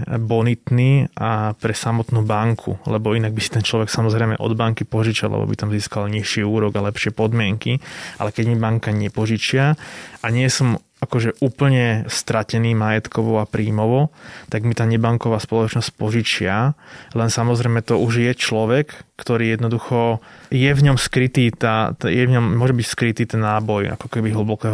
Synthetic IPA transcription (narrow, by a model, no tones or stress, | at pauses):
bɔnit̪niːapɾɛsamɔt̪nuːbaŋkʰṵlɛbɔinaɡ̚bisi̥t̪ɛnt͡ʃlɔʋɛksamɔzɾɛjmɛ̰ʔɔ̰d̪baŋkipɔʒit͡ʃa̰lɛ̰bɔ̰bḭt̪amziːskalɲiʃiuːɾɔɡalɛpʃɪɛpɔd̪mɪɛŋkiʔa̰lɛkɛɟmibaŋkaɲɛpɔʒit͡ʃɪaʔaɲɪɛsɔm | akɔʒɛʔuːpl̩ɲɛst̪ɾacɛniːmajɛt̪kɔʋɔapɾiːmɔʋɔt̪aɡmit̪aːɲɛbaŋkɔʋaːspɔlɔt͡ʃnɔsc̚pɔʒit͡ʃɪalɛnsamɔzɾɛjmɛt̪ɔuʒjɛt͡ʃlɔʋɛkːt̪ɔɾiːjɛd̪nɔd̪uxɔjɛvɲɔmskɾit̪iːt̪aːt̪ɛjɛvɲɔmmːʊɔʒɛbicskɾit̪iːt̪ɛnːaːbɔja̰kɔ̥kɛbiɦl̩bɔkɛːɦ